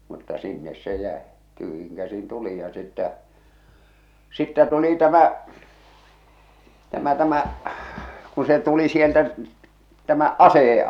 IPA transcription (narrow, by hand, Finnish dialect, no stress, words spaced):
mutːɑ sinːes se jæˑe tyhjiŋ kæsin tulij jɑ sitːɛ sitːɛ tuli tæmɑˑi tæmæ tæmæ kun̞ se tuli sieltæ tæmæ ɑseˑje